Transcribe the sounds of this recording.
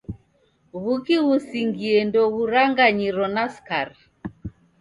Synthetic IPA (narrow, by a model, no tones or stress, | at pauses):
ɣukiɣusiŋɡiɛndɔɣuɾaŋɡaɲiɾɔnaskaɾ